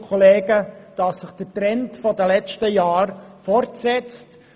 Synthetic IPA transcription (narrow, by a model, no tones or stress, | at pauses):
kʰɔleːɡəd̥ɑsːɪχd̥ətɾɛntfɔdəlɛt͡ʃtəjɑːɾfɔɾtsɛt͡st